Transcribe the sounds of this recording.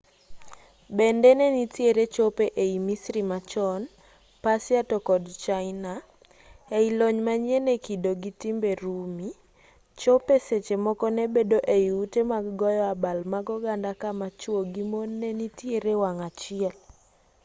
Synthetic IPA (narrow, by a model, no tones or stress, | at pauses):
bendenɛnitjeɾet͡ʃopeʔeimisɾimat͡ʃɔn | pasjatɔkɔdt͡ʃaɪna | eiloɲmaɲenekidoɡitimbeɾumi | t͡ʃopeset͡ʃemɔkɔnɛbedoʔeiutemaɡɡɔjɔabalmaɡɔɡandakamat͡ʃwoɡimonːenitjeɾewaŋat͡ʃɪɛl